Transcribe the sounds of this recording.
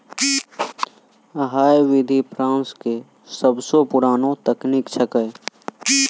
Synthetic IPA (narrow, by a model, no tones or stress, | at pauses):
əɦaːjʋɪd̪ʱipʰɾãːnske | səbsopʊɾaːnõt̪əkniːkt͡ʃʰəkəe